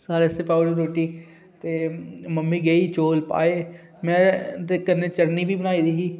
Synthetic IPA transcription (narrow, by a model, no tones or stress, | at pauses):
saːɾesepaːɖoɾeːʈiː | t̪eːməmːiːɡəiːt͡ʃoːlpa̰ːeː | mɛ̃ːt̪ekənːeːt͡ʃəɾniːbʱiːbənaːid̪iːɡiː